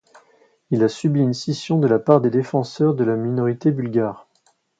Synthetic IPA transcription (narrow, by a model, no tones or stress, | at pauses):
ilasybiynsisjɔ̃d̪əlapaʁd̪ed̪efɑ̃sœʁd̪əlaminɔʁit̪ebylɡaːʁ